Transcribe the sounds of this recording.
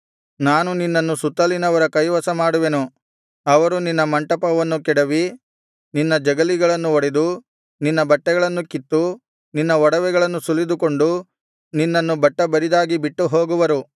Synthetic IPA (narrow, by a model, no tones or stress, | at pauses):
naːnuninːɐnːusut̪ːɐlinɐʋɐɾɐkɐjʋɐsɐmaːɽuʋenu | ɐʋɐɾuninːɐmɐɳʈɐpɐʋɐnːukɛɽɐʋi | ninːɐd͡ʒɐɡɐliɡɐɭɐnːuɔɽed̪u | ninːɐbɐʈːɛɡɐɭɐnːukit̪ːu | ninːɐɔɽɐʋɛɡɐɭɐnːusulːid̪uko̞ɳɖu | ninːɐnːubɐʈːɐbɐɾid̪aːɡibiʈːuɦoːɡuʋɐɾu